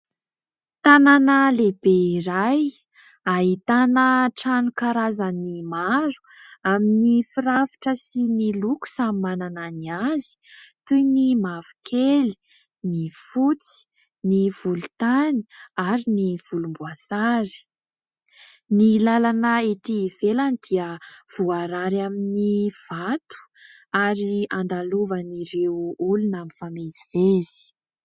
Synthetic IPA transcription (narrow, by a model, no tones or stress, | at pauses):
t̪ananəlebeiɾaj | aɦit̪anəʈ͡ʂanukaɾazənimaɾu̥aminifiɾavi̥ʈ͡ʂəsiniluku̥samimanananiazi̥t̪ujnimavu̥kʰeli̥ | nifut͡si̥ | niv̥ulut̪ani̥aɾiniv̥ulumbuasaɾi̥ | nilalanəet̪iv̥elanid̪iəv̥uaɾaɾaminiv̥at̪u̥ | aɾiand̪aluvəniɾewulunamifamezivez̥i̥